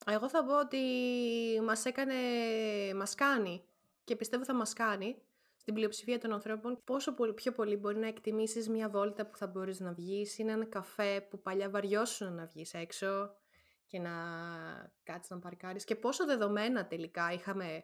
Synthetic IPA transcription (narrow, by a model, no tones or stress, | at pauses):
e̞ɣo̞θɐpo̞ot̪i | mɐse̞kɐne̞mɐskɐni | ce̞pist̪e̞voθɐmɐskɐni | st̪iblio̞psifiɐt̪o̞nɐnθɾo̞po̞npo̞so̞popço̞po̞libo̞ɾinɐekt̪imisizmɲɐvo̞lit̪ɐpu̥θɐbo̞ɾiznɐvʝisineenɐkɐfe̞pupɐʎɐvɐɾʝo̞sunɐnɐvʝise̞kso̞ | ce̞nɐ | kɐt̪i̥znɐpɐɾkɐɾisce̞po̞so̞ðe̞ðo̞me̞nɐt̪e̞likɐixɐme̞